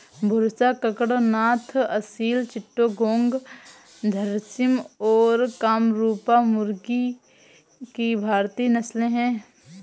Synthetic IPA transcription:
bʱʊɾsakəkɽonaːt̪ʰɐsiːlt͡ʃɪʈːoɡõːŋɡ | d̪ʱɐɾsɪmɔːɾkaːmɾuːpamʊɾɡi | kibʱaːɾt̪iːnɐslẽɦɛ̃ː

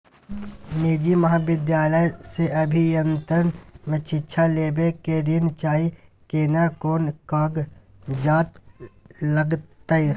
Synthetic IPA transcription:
meːd͡ʒimɐɦaːʋɪd̪jaːləjseɐbʱijənt̪ɾənmet͡ʃɪːʃʰaleːbekeɖint͡ʃaːi | kenakoːnkaːɡ | d͡ʒaːt̪ | ləɡt̪ai

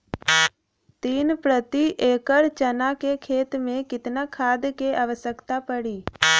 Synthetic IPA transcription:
t̪iːnpɾət̪iʔeːkəɾt͡ʃənakekʰeːt̪mẽkɪt̪nakʰaːd̪keʔaʋəsəkt̪apəɽiː

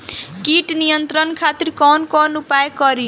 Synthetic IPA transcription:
kiʈnijənt̪ɾənkʰaːt̪ɪɾkɔːnkɔːnupajkɔɾi

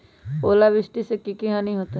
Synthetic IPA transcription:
oːlaʋɪsʈisekikiɦãnɐɦĩɦoːt̪a

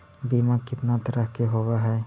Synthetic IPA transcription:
biːmakɪt̪nat̪ɐɾəɦkeɦowaɦɛː

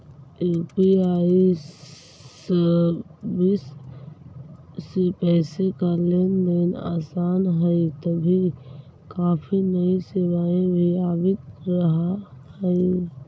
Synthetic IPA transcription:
epiaːi | s | bis | epɛːsekaleːnbena̰ːsaːnɦɛit̪ɐbʱi | kaːpʰinɐĩseʋaːẽbʱiaːbɪt̪̚ɾɐɦahɛi

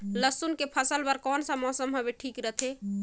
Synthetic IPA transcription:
ləsunkepʰəsəlbəɾkɔnsə̃mɔsəmɦobeʈʰikɾət̪ʰe

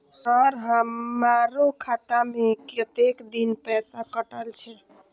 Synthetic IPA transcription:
səɾɦəmaɾokʰat̪amekət̪ekd̪inpɛsakəʈəlt͡ʃʰɛ

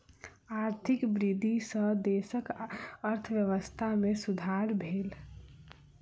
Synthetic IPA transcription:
aɾt̪ʰikbɾid̪ʱisə̃d̪esəkəɾt̪ʰəʋjəʋəst̪ʰamesud̪ʱaɾbʱel

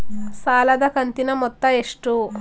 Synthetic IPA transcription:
saːlɐd̪ɐkɐnt̪inɐmɔt̪ːɐeʂʈu

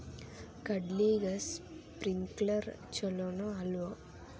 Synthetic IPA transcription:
kɐɖliːɡɐspɾiŋklɐɾ | t͡ʃɔlonoɐlʋo

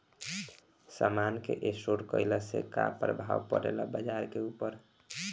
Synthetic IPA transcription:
samankḛʔesoɽkəjləsḛka̰pɾəbʱawpə̰ɾelɔbəd͡ʒaɾkeupəɾ

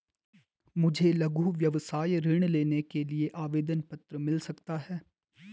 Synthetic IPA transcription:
mʊd͡ʒʱelɐɡʱuːʋjɐʋsaːjɾɪɽ̃leːnekelieʔaːʋeːd̪ənpɐt̪ɾəmɪlsɐkt̪aɦɛː

